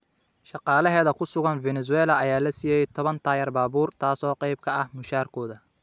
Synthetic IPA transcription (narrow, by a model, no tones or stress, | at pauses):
ʃɑqɑːlɐɦɛːðɐkʰʊsʊɣɐnvɛnɛs̬ʊwɛːlɐɐjaːlɐsijɛjɛjt̪ʰɔβɐnt̪ʰaːjɐrbaːβuːrt̪ʰaːsɔːqɛjb̚kʰɐɐhmʊʃaːrkʰɔːðɐ